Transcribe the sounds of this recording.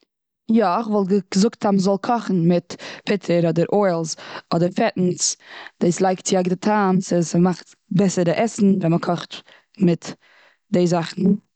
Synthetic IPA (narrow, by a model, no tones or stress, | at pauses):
jɔɪχvɔlˠɡə̥zʊktaməzɔlˠkʰɔχn̩mɪtpʰɪtʰəɾɔdəɾʔɔɪlˠzɔdəɾfɛtn̩t͡sd̥eːslˠaɪktt͡sɪaɪɡdətʰaːmsɪsmaχt | bɛsəɾəʔɛsn̩vɛnməkʰɔχt | mɪt | deɪzaχn̩